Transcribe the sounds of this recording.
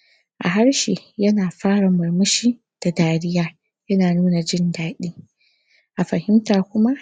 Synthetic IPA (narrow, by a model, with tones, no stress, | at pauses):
ʔa̰˨ɦa˦rʃi˨jɐ˦naː˨ɸaː˦ɽa˨mɐ˨rmʊ˦ʃiː˦ | d̥a˨daː˨ɽɪ˦jaː˦ | jɐ˦naː˨nuː˦na˨d͡ʒɪ˦ndaː˦ɗiː˦ | ʔa˨ɸɐ˨hɪ˦mtaː˨kʷʊ˦ma˦ʔ